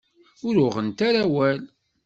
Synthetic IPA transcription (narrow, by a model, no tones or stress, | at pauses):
ʊɾʊʁənt̪aɾæwæl